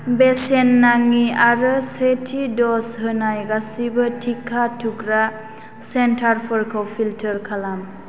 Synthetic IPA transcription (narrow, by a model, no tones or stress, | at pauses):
besenːaŋiaɾɯsetʰidɔsɦɯnajɡasibɐtʰikʰːatʰukɾa | sentʰaɾpʰɔɾkʰawpʰiltʰəɾkʰalam